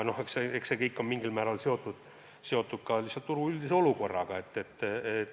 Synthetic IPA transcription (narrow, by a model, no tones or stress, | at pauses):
no̞hekseeksekejkːommiŋɡ̥ilmæːɾɑlseo̞t̪ːˑud̪̥ | se̞o̞t̪ːˑud̪̥̚kɑlisːɑlt̪t̪uɾuyld̪̥iseo̞luko̞rːɑ̰ɡ̥ɑe̞t̪ːet̪ːe